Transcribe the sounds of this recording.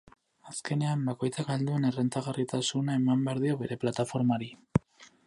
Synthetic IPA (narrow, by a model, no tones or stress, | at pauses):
aske̞ne̞ambako̞jt͡sakald̪ue̞ne̞rent͡s̪aɣarit̪asunaemambe̞aɾðio̞βe̞ɾe̞plat̪afo̞ɾmaɾi